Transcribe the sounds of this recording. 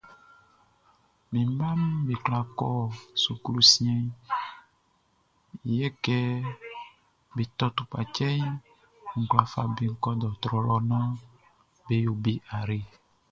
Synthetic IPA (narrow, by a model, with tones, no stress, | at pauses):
mĩ˨m˦bã˦m˦be˨kla˨kɔ˦su˨klu˦si˦ɛ̃˦ | i˨jɛ˦kɛ˦ | be˨t̪ɔ˦t̪u˨pa˨t͡ʃɛ˦ɲ˦ | ŋ̩˨kla˨fa̰˨be˨ŋ̩˦kɔ˦d̪ɔ˨t̪ɾɔ˨lɔ˦nã˦ | be˨jo˨bi˦ʔa˨ɾe˨